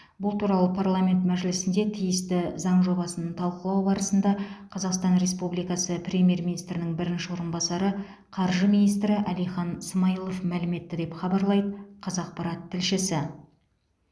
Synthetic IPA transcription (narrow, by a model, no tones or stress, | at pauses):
bʊlˠt̪uɾɑlˠəpʰarlˠamʲe̞nt̪mæʒɪlɪsɪnd̪e̞t̪ʰijɪst̪ɪzɑɴʒo̞bɑsənənt̪ʰɑlˠqəlˠɑwbɑɾəsənd̪ɑqʰɑzɑqst̪ɑnɾe̞spublijkɑsəpɾʲe̞mʲije̞rmʲinijst̪ɾɪnɪŋbɪɾɪnʃɪwo̞ɾənbɑsɑɾə | qʰɑɾʒəminijst̪ɾɪʔælijχɑnsəmɑjilˠo̞fmælɪme̞t̪ːɪd̪e̞pχɑbɑɾlˠɑjd̪əqʰɑzɑq̚pɑɾɑt̪ʰːɪlʃɪsɪ